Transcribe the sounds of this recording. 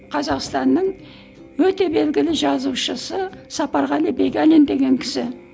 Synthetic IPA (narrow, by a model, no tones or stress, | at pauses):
qʰɑzɑqst̪ɑnːəɴ | wɵt̪e̞be̞lɡʲɪlɪʒɑzuwʃəsəsɑpɑɾʁɑlebe̞ɡʲalend̪e̞ɡʲe̞ŋkʲʰɪ̥sɪ